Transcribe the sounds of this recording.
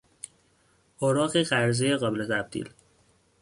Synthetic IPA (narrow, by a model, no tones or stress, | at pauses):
ʔɒːɾɒːɣeɣæɾzejeɣɒːbelet̪ʰæb̚d̪̥ḭːl